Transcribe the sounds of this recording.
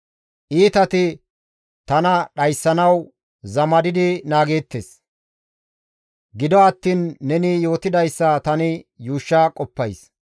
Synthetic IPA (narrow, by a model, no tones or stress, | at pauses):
ʔiːt̪ɐt̪ɪ | t̪ɐnɐɗɐjsːɐnɐw | zɐmɐd̪ɪd̪ɪnaːɡe̞ːt̪ːes | ɡɪd̪ɔɐt̪ːiːnːɛnɪjo̞ːt̪ɪd̪ɐjsːɐt̪ɐnɪjuːʃːakʼɔpːɐjs